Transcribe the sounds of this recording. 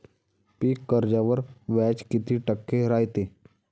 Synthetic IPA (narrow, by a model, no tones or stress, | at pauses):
piːkːəɾd͡ʒaʋəɾʋɛːt͡ʃkɪt̪iʈəkːeɾaːjt̪eː